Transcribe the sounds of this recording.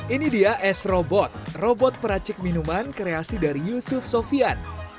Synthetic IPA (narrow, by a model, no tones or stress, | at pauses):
inidiaʔɛsrobɔt̪̚robɔt̪̚pəɾat͡ʃɪk̚minumankɾeasidaɾijusufsofian